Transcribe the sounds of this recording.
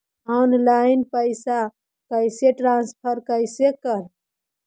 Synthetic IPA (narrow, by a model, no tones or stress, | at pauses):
ɔnlaɪinpəɪsa | kəɪseʈɾãnspʰəɾkəɪsekəɾ